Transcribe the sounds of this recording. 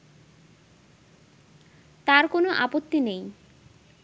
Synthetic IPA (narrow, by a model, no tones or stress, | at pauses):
t̪aɾkonoʔapot̪ːinej